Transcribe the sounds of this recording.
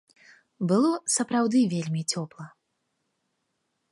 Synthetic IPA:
bɨlˠɔsɐpɾawd̪ɨvʲelʲmʲit͡sʲɔplˠɐ

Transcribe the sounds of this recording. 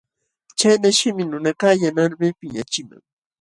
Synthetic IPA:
t͡ʃajnaʃɪmɪnʊnakajanaɾmɪpɪɲat͡ʃɪma̰ŋ

